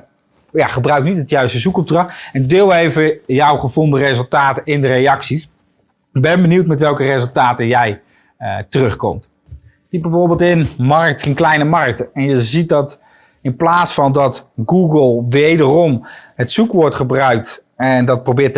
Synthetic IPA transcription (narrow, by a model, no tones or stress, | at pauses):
jaχəbrœɥk̚nitɦətjœɥstəzukɔb̚drɑχɛn̚dɪlˠejvəjɔwχəvɔndərezəlˠtaːtəɪndərejɑksis | bɛnbəniwtmɛtʋɛlˠkərezəlˠtaːtəjɛj | tərɵχkɔ̰mt | dibɛvoʊːɹbɪːlˠtɪnmɑrk̚tənklɛjnəmɑɹk̚tɛnjəzit̚dɑt | ɪnplaːtsfɑndɑtɡuɡəlˠʋejdərɔmɦətsukʋɔɹtχəbrœɥk̚t | ɛndɑt̚prowbɪːt